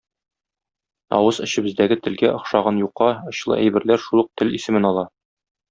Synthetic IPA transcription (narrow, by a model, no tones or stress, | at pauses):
ɒ̰wɤzɘ̆ɕɘ̆bɘ̆zd̪æɡɘt̪ɘ̆lɡæʔŏχʃɑʁɑnjuqːɑŏɕlˠɤ̰ʔæ̰jbɘ̆ɾlæɾʃulˠɤ̆q̚t̪ɘlisɘ̆mɘnɒlˠɑ